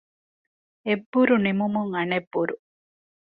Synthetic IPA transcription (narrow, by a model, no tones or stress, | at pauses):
ebːuɾunimumuŋɐnebːuɾu